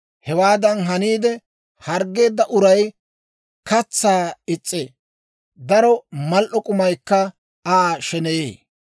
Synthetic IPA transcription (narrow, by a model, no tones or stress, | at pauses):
hɛwaːd̪ɐnɦɐniːd̪ɛ | hɐɾɡe̞ːd̪ːɐʔʊɾɐj | kɐt͡sːaːɪt͡sʼːe | d̪ɐɾɔmɐlʔɔkʼʊmɐjkːɐ | aːʃɛnɛjḛː